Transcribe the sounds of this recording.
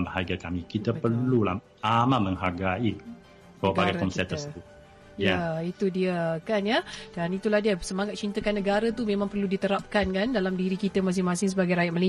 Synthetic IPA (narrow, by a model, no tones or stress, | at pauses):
əhaɡakamĩkit̪apərlula̰h | amãməŋɦaɡai | kaaɡaɡakɔnsɛt̪əst̪u | jait̪udiəkanjəd̥anit̪ulahdiəsəmaŋat̪̚t͡ʃint̪əkanːəɡaɾat̪umẽmãŋpərludit̪əɾap̚kankandalamdiɾikit̪əmas̬ɪŋmãsɪŋsəbaɡajɾajat̪̚məli